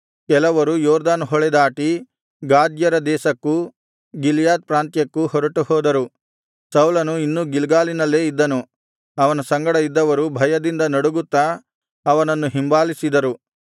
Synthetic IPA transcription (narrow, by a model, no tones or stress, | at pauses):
kɛlɐʋɐɾujɔːɾd̪aːnɦɔɭɛd̪aːʈi | ɡaːd̪jɐɾɐd̪ɛːsɐkːu | ɡiljaːd̪̚pɾaːnt̪jɐkːuhɔɾɐʈuhɔːd̪ɐɾu | sɐwlɐnuinːuːɡilɡaːlinɐlːe̞ːid̪ːɐnu | ɐʋɐnɐsɐŋɡɐɽɐid̪ːɐʋɐɾubʱɐjɐd̪ind̪ɐnɐɽuɡut̪ːa | ɐʋɐnɐnːuɦimbaːlisid̪ɐɾu